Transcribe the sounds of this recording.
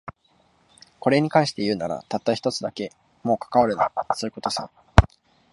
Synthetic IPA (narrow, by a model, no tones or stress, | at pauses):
ko̞ɾe̞ɲ̟ikãɰ̃ɕi̥t̪e̞jɯ̟ːnaɾa̰t̪at̪ːaçʲi̥t̪o̞t͡sɨd̪ake̞ | mo̞ːkḁkaβaɾɯ̟na̰soɯ̟ko̞t̪o̞sã̰